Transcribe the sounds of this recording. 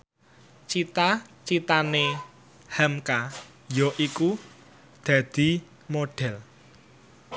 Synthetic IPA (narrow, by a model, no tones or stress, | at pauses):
t͡ʃit̪at͡ʃit̪ane | hɛmka | jɔʔiku | d̪̥a̤d̪̥i̤ | moɖ̥ɛl